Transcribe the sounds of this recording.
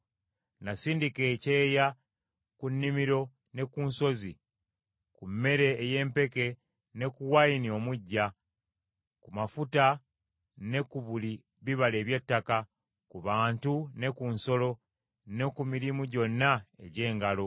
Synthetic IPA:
nasiːndike̞ːce̞ːja | kunːimiɾo̞ | ne̞kuːnso̞zi | kumːe̞ɾe̞ːje̞ːmpe̞ke̞ | ne̞kuwajinio̞muɟːa | kumafuta | ne̞kuβuli | βiβale̞ːβje̞tːaka | kuβaːntune̞kunso̞lo̞ | ne̞kumiɾimuɟo̞nːae̞̰ɟe̞ːŋɡalo̞

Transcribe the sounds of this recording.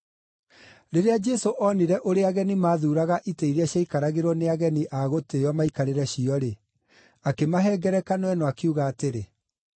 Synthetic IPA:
ɾeɾead͡ʒɛsoʔɔniɾɛʔoɾeaɣɛnimaːðuːɾaɣaʔiteiɾaɕjaikaɾaɣeɾwɔneaɣɛniʔaɣotejɔmaikaɾeɾɛɕiɔɾe | akemaɦɛːɡɛɾɛkanwɛnɔakeuɣaːteɾe

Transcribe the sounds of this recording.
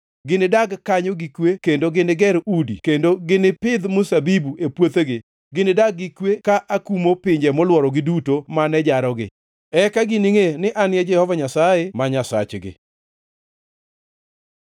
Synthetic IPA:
ɡɪnɪdaɡkaɲɔɡikwekendoɡɪnɪɡɛɾudḭkendoɡɪnɪpɪd̪mʊsabibuepwot̪eɡɪ | ɡɪnɪdaɡːikwekaʔakumopɪɲd͡ʒɛmɔlwɔɾɔɡɪdutomanɛd͡ʒaɾɔɡɪ̰ | ɛkaɡɪnɪŋenɪʔanjɛd͡ʒɛhɔvaɲasaemaɲasa̰t͡ʃɡɪ̰

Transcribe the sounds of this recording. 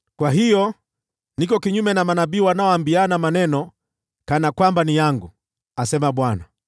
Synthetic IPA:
kwaɦijɔ | nikɔkiɲumɛnamanaɓiːwanaɔambianamanɛnɔ | kanakwambanijaŋɡu | asɛmaɓwana

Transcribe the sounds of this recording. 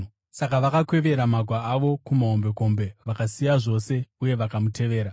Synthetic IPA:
sakaʋakakwe̞ʋe̞ɾamaɡʱwaaʋo̞kumaɦo̞mbe̞ko̞mbe̞ʋakasijaʐo̞se̞uje̞ʋakamutʰe̞ʋe̞ːɾa

